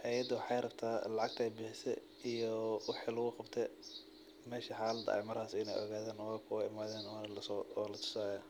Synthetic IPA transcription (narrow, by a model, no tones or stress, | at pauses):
ʔɛjɐd̪ʊwħɑjɾɐbt̪ʰaːlɑʕɑɡ̚t̪ʰɛjbɪħɪsɛ̰ | ijɔwɑħilʊɣʊqɑbt̪ʰɛ | mɛːʃɪħɑːlɐd̪ɐ̰ʔɛ̰jmɐɾhaːsɪnɛ̰jʔɔ̰ɣaːðaːnɔkʰʊɪmaːðɛːnːnɐlɐsɔɔːlɐt̪ʰʊ̥saːjaː